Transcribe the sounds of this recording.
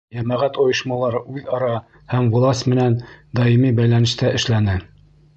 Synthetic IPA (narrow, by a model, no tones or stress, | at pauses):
jæmæʁæt̪ŏjɤ̆ʃmɑlˠɑɾʉðɒɾɑ | hæmwŏlˠɑsmɘ̆nænd̪ɑimibæjlænɘ̆ʃt̪æʔɘ̆ʃlænɘ